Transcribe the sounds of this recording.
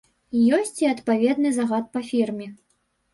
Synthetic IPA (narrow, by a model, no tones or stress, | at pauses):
jɔsʲt͡sʲiɐt̪pavʲɛd̪nɨzaɣat̪̚pɐfʲirmʲɛ